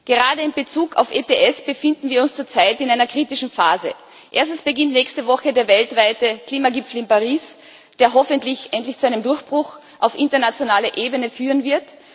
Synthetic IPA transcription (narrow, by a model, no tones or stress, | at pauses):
ɡ̥əʁaːdəɪmbət͡suːkʰa̰ʊfʔeteʔɛsb̥əfɪndn̩viːɐʊnst͡suːɐt͡saɪtɪnaɪnɐkʁ̥iːtɪʃn̩faːzə̰ | ʔeːɐstn̩sb̥əɡɪntnɛːçstəvɔxədeːɐvɛltv̥aɪtəkl̥iːmaɡɪpp͡fl̩ɪnpaʁiːs | d̥eːɐɦɔfəntlɪçʔɛntlɪçt͡suaɪnəmdʊɐçb̥ʁʊx | ʔaʊfʔɪ̃ntɐnat͡sjonaːləʔeːbənəfyːʁənvɪɐt